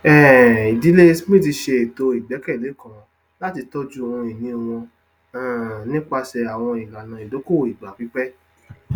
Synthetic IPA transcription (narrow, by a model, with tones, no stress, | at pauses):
ɛ˦˨i˨di˨˦le˦smĩ˦˨ti˧ʃe˧e˨to˧i˨ɡ͡bɛ˨˦kɛ˦˨le˨˦kã˨ | la˦ti˧tɔ˦d͡ʒũ˦˨ɔ̃˧i˨nĩ˧˨w̃ɔ̃˧ | ã˨nĩ˦k͡pa˧sɛ˧a˨w̃ɔ̃˧i˨ɡa˨nã˨i˨do˨˦ko˦˨i˨ɡ͡ba˨bi˨˦k͡pɛ˦